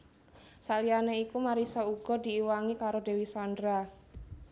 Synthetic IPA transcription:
salianeikumaɾisɔuɡ̥ɔ̤d̪̥i̤ːwaŋikaɾod̪e̤wisɔnd̪ɾa

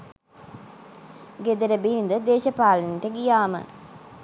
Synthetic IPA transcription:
ɡed̪əɾəbilind̪əd̪eːʃɐpaːlənt̪əɡijaːmə̰

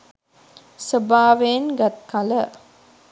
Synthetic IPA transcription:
səbaːʋenɡat̪̚kalə

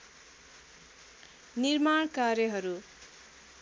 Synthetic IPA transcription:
nirmaɳ̃karjʌɦʌɾu

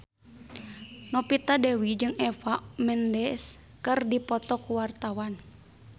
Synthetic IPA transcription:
nɔpit̪adɛwid͡ʒɨŋɛfamɛndɛs | kɨrdipɔt̪ɔkuwart̪awan

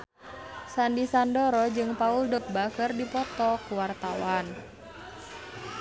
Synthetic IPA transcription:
sandisandoɾɔd͡ʒɨŋpauldək̚bakərdipɔt̪ɔkuwart̪awan

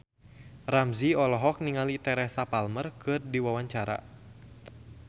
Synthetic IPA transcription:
ramziɔlɔɦɔk̚niŋalit̪ɛɾɛsapalmərkɨrdiwawaɲt͡ʃaɾa̰

